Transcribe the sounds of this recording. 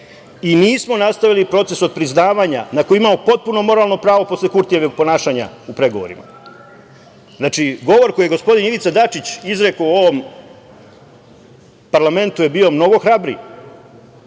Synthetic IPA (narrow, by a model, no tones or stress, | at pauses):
iniːsmo̞nast̪aʋilipɾo̞t̪se̞sod̪̚pɾiznaːʋaɲanako̞jiimamopo̞t̪̚puno̞mo̞ɾalˠno̞pɾaːʋo̞po̞slekuɾt̪ijeʋoɡ̚po̞naːʃaːɲa̰upɾe̞ɡo̞ʋo̞̰ɾḭma̰ | znat͡ʂiɡo̞ʋo̞ɾkojeɡo̞spo̞d̪iniʋit̪sad̪at͡ʃit͡ɕizɾe̞kouo̞ʋo̞m | paɾlˠame̞nt̪uje̞bio̞mno̞ɡo̞xɾabɾḭ